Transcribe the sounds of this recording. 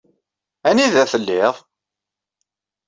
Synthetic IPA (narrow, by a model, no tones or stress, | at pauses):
æniðæθəlːɪðˤ